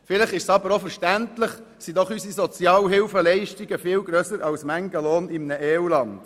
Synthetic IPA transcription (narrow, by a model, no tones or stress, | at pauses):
fɪləχɪʃsɑbəɾofɛɾʃtæntləχ | sid̥̪ɔχysisɔt͡sjɑːlɦɪlfəlɛɪʃtiɡəfɪlɡɾœsəɾɑlsmæŋɡəloːnɪmnəʔɛːulɑnd̥